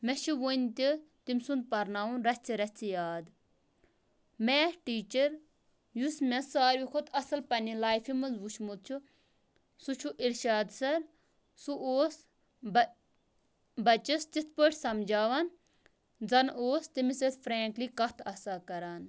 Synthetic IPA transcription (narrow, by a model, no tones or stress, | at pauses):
mɛʃiʋont̪it̪imsund̪̚pɐɾnaːunɾɐsʲt͡sʰiɾɐt͡sʰijaːd̪ | meʈiːt͡ʃɐɾ | jusmɛsaːɾʋikʰut̪ʰɐsɐlpɐnilaːjfimɨnzʋuʃmud̪̚t͡ʃʰu | sut͡ʃʰuʔilʃaːd̪sɐɾ | suʔoːs | bɐt͡ʃist͡ʃit̪̚ʰpəʈʰʲsɐmd͡ʒaːʋɐn | d͡zɐnoːst̪imiset̪fɾeːŋkliːkɐt̪ʰɐsaːkɐɾaːn